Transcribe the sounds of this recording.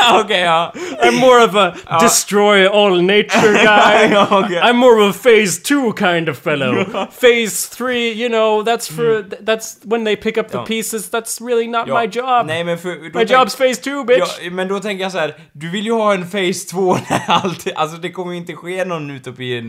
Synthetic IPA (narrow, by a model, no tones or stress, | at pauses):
okeɪãɪ̃mːɔɹʌvədɪstɹ̥ɔɪɔlˠneɪt͡ʃə˞ɡaɪɪãɪ̃mːɔɹʌvəfeɪztʰʉkʰãɪ̃ndʌv̥fɛlˠoʊfeɪzθɹiːjɨnoʊðætsfə˞ððætswə̃nðeɪpʰɪkʌp̚ðəpʰisɨzðætsɹɪlˠinət̚maɪd͡ʒɑbnɛɪmɛ̃nfəɾd̪aɪd͡ʒɑbz̥feɪstʰʉbɪmɛ̃nd̪ɔt̪ʰɛ̃ŋkəjɑsæːɾ | d̪ʉvɪljəhɑːɛnfeɪst̪ʰv̥oːnɛɾalt̪ʰʔa̰ls̬ɔd̪ɛkʰɔmːəjɾɪnt̪əɧeːnɔnːʉːt̪ɔpɪn